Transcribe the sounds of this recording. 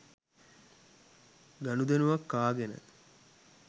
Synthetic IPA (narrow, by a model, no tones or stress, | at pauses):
ɡanud̪enuʋɐkːaːɡenə̰